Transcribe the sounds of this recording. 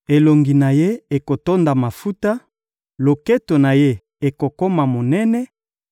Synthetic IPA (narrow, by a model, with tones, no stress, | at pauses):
e˨lo˨ŋɡi˨na˨je˦e˨ko˨to˦nda˨ma˨fu˦ta˦ | lo˨kɛ˦to˨na˨je˦ | e˨ko˨ko˦ma˨mo˨nɛ˦nɛ˦